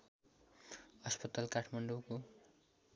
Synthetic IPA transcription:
ʌspʌt̪alkaʈʰmaɳɖoko

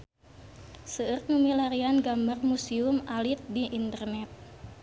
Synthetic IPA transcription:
səːr̚numilaɾianɡambarmusiumalit̪̚diʔint̪ərnɛt̪̚

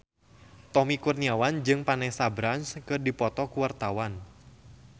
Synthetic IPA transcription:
t̪ɔmikurniawand͡ʒɨŋpanɛsabɾanskɨrdipɔt̪ɔkuwart̪awan

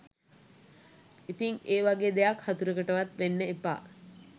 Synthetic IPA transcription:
it̪iŋeːʋaɡeːd̪ejakhat̪uɾəkəʈəʋat̪ʋenːəepa̰ː

